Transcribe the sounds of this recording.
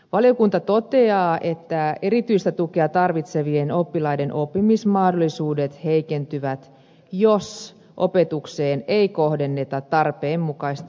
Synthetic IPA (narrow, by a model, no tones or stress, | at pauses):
ʋɑlijokunt̪ɑt̪o̞t̪e̞ɑːʔe̞t̪ːæeɾit̪yist̪æt̪ukeɑt̪ɑrʋit̪seʋieno̞pːilɑide̞nʔo̞pːimismɑhdo̞lːˑisuːdet̪he̞jkent̪yʋæt̪ | jos | ʔo̞pe̞t̪ukseːneiko̞hde̞nːe̞t̪ɑt̪ːɑrpeːmːukɑist̪